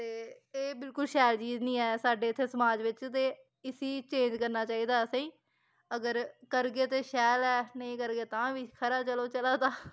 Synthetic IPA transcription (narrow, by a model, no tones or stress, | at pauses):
t̪eː | eːbɪlkʊlʃɛːlt͡ʃiːznĩːɛːsaːɖeːɪt̪ʰːeːsəmaːd͡ʒʋɪt͡ʃt̪eː | ɪsiːt͡ʃẽːɲd͡ʒkəɾnaːt͡ʃaːiːd̪aːsãĩː | əɡəɾkəɾɡeːt̪eːʃɛːlɛːnə̃ĩːkəɾɡeːt̪ãːʋiːkʰəɾaːt͡ʃəloːt͡ʃəlaːd̪aː